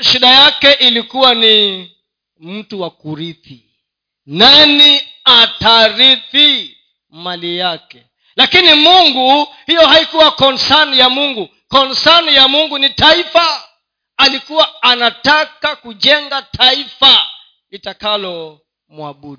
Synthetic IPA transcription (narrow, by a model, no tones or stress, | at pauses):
ʃiɗajakɛʔilikuwani | m̩tuwakuɾiθi | naniataɾiθi | malijakɛ | lakinimuŋɡuhijɔhaikuwakɔnsanjamuŋɡu | kɔnsanjamuŋɡunitaifaː | likuwaːnatakakuʄɛŋɡatʰaifa | itakalɔ | muaɓuɗi